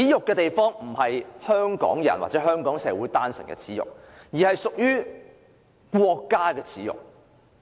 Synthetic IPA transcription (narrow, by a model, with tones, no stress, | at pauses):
iː˨˥jʊ˨kːɛː˧t̪e˨jfɔː˥ŋm̩˨˩hɐ˨jhœː˥ŋkɔ̰ː˨˥ŋjɐ̰˨˩nwa̰ː˨t̚t͡sɛː˨˥ɦœː˥ŋkɔː˨˥ŋsɛː˨˧wuː˨˥jt̪aː˥nsɵ˨˩nkɛ̰ː˧t͡sʰiː˨˥jʊ̰˨k̚jiː˨hɐ˨jsʊ˨k̚jyː˥ | kʷwɔː˧kːaː˥kɛː˧t͡sʰiː˨˥jʊ̰˨k̚